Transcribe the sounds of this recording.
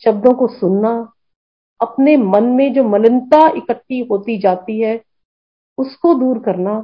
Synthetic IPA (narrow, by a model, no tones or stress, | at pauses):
ʃɐb̚d̪õkosʊnːa | ɐpnemɐnmẽd͡ʒoːmɐlɪ̃nt̪aɪkəʈːiɦoːt̪id͡ʒaːt̪iɦɛː | ʊskod̪uːɾkɐɾna